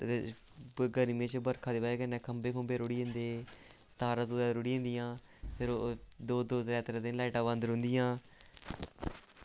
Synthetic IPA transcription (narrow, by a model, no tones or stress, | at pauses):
ɡəɾmẽːt͡ʃbəɾkʰãːd̪eːbaːeːkənːɛ̃ːkʰəmbeːkʰəmbeːɾʊːɽĩːnd̪eː | t̪aːɾət̪od̪ɛːɾʊɽiːɦẽnd̪ijãː | pʰɪɾod̪oːd̪oːɾɛːt̪ɾad̪ɪnlaːɪʈãːbənd̪ɾõnd̪ijãː